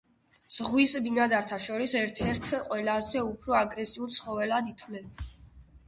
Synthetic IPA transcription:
z̥ʁwisbinad̪aɾt̪ʰaʃɔɾisɛɾt̪ʰɛɾt̪ʰqʼwɛlazɛupʰɾɔaɡɾɛsiult̪sʰχɔvɛlad̪it̪ʰwlɛn

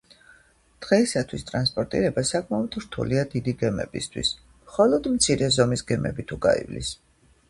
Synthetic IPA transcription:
d̪̥ʁɛisat̪ʰwist̪ʼɾanspʼɔɾt̪ʼḭɾɛbasakʼmaɔd̪ɾt̪ʰṵliad̪id̪iɡɛmɛ̰bist̪ʰwḭs | mχɔlˠɔd̪mt̪sʰiɾɛzɔmisɡɛmɛ̰bit̪ʰuɡa̰ḭvlḭs

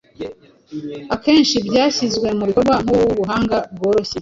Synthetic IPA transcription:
ake̞ːnʃibɟaːçizɡwe̞muβikobɡaŋ̥uwuβuɦaːŋɡab̚ɡo̞ːɾo̞çe

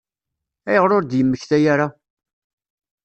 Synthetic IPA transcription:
æjəʁɾoɾd̪jəmːəçθæjaɾa

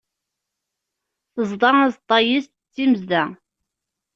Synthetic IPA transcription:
θəzˤd̪ˤɑæzˤt̪ˤːɑjist̪t͡sːimzd̪æ

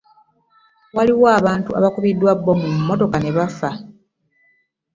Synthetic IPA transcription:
waliwoaːβaːntua̰βakuβidːwabːomuumːoto̞kane̞βafa

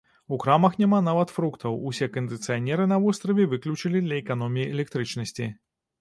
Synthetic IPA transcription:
ukɾamɐxnʲɛman̪avɐt̪fɾukt̪ʰɐwusʲɛkɐnd̪ɨt̪sɨjanʲɛɾɨnɐvɔst̪ɾɐvʲɛvɨklʲut͡ʂɐlʲid̪lʲɐɛkan̪ɔmʲijiɛlʲɛk̚t̪ɾɨt͡ʂnɐsʲt͡sʲi

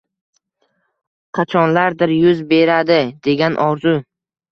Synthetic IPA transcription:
qʰɑt͡ʃʰɒnlaɾd̪ɪɾjʊzbe̞ɾad̪ɪd̪e̞ɡʲanʔɒɾzʊ

